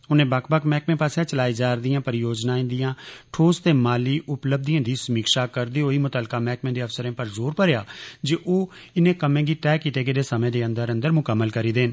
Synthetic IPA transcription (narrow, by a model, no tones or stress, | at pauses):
ʊnẽːbəkʰbəkmɛːkmẽːpaːsjãːt͡ʃəlaːiːd͡ʒaːɾd̪ɪijãːpəɾɪjoːd͡ʒnaːĩːnd̪ɪjãːʈʰoːst̪eːmaːliːʔʊpləb̚d̪ijãːd̪iːsəmiːkʃaːkəɾd̪iːoːiːmʊt̪aːlkaːmɛːkmẽːd̪eːəfsəɾẽːpəɾzoːɾpəɾejaːd͡ʒeːʔoː | ɪnẽːkəmẽːɡiːʈɛːkiʈ̪eːɡeːd̪eːsəmẽːd̪eːə̃nd̪əɾə̃nd̪əɾmʊkəmːəlkəɾiːd̪eːn